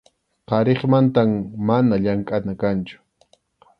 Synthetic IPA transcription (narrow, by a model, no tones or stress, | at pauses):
qɑɾeχmant̪ammanaʎaŋkʼanakant͡ʃʊ̥